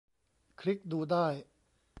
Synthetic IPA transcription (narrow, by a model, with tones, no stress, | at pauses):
kʰɾi˦˥k̚duː˧daː˥˩j